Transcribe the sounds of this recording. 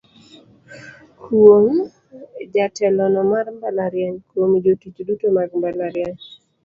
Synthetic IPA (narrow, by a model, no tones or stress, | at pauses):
kʰoŋ | d͡ʒatɛlɔnɔmarmbalaɾjaɲkwomid͡ʒotit͡ʃdutomaɡmbalaɾjaɲ